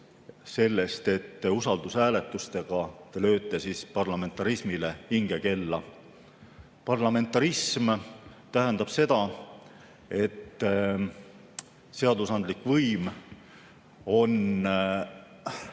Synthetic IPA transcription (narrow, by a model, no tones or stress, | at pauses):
se̞lːe̞st̪e̞t̪ːusɑld̪̥usæːle̞t̪ːˑust̪e̞ɡ̥ɑt̪elø̞ːt̪ːˑe̞sispɑrlɑme̞nt̪ːˑɑɾismile̞iŋɡ̥e̞ke̞lːɑ | pɑrlɑme̞nt̪ːˑɑɾismt̪æɦend̪̥ɑb̥se̞d̪̥ɑ | e̞t̪ː | se̞ɑd̪usɑnd̪likvɤjm | o̞n